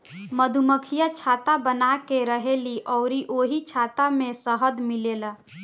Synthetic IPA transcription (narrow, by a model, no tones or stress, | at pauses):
məd̪ʱuməkʰijat͡ʃʰat̪abənakeɾəɦeliʔɔʊɾiʔoɦit͡ʃʰat̪amesəɦəd̪milela